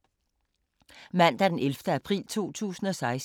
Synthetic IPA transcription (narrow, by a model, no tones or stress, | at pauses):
mæn̰d̥æɐd̥enelfd̥əæpʰʁḭːlt͡sʰo̝̰ːt͡sʰṵːsn̩ɒ̽sɑ̈ɪs